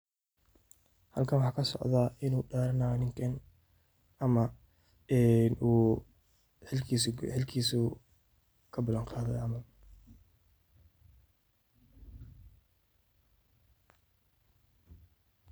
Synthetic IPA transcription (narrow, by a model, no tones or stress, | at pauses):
hɐ̰lkʰɐnwɑħɑːkʰɐsɔ̰ʕðaːʔɪnuːɗaːɾɐnaːnɪŋkʰɐn | ɐmɐ | ɛnʔuː | ħɪlkʰisħɪlkʰiːsʊ | kʰɐbɐlɐɴqɑːðɛjɐmɐ